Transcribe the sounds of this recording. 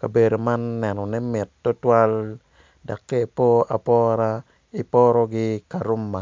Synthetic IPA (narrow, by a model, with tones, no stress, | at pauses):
ka˨be˨do˨ma˦nːɛ˨nɔ˨nɛ˦mɪ˨tːo˦twa˦l | da˨kːe˦˨po˦a˨pɔ˦ɾa˦ | i˨pɔ˦ɾɔ˦ɡɪ˦ka˨ɾo˦mːa˨